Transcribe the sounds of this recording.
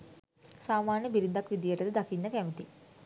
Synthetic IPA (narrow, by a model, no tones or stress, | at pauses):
saːmaːɾnjɐbiɾind̪ɐkʋid̪jɐʈɐd̪ɨd̪ɐkinːɐkɐmit̪i